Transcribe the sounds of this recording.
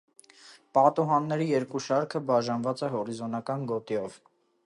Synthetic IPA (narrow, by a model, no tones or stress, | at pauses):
pɑt̪uɦɑnːɛɾijɛɾkuʃɑɾkʰəbɑʒɑnvɑt͡sɛɦɔɾizɔnɑkɑnɡɔt̪iɔv